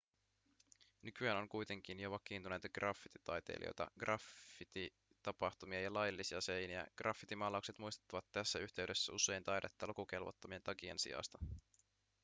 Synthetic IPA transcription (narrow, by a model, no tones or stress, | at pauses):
nykyæːnoŋkujt̪e̞ŋk̟injoʋɑkiːnt̪unejt̪ɑɡ̥rɑfːit̪i̥t̪ɑjt̪ḛlʔḭo̰jt̪ɑ̰ɡ̥rʔɑfːit̪i | t̪ɑpɑxt̪umiɑjɑlɑjlːisiɑse̞jniæ̰ɡ̥rʔɑfːit̪imɑːlɑuwkset̪mujst̪u̥t̪ːɑʋɑt̪ːæsːæyçt̪e̞yɥde̞sːæuse̞jnt̪ɑjdet̪ːɑlukuk̟e̞lʋo̰t̪ːɑmiet̪ɑkie̞̰nsḭjɑ̰st̪ɑ̥